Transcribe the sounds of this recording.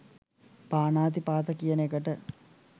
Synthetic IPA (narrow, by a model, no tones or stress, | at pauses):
paːnaːt̪̬ipaːt̪əkijənekəʈə